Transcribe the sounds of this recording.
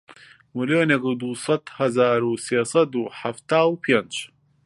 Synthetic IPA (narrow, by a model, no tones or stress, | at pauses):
miljoːnekud̪uːsˤɐd̪hɐzaːɾuseːsɐd̪uːħaft̪aːwpʰend͡ʒ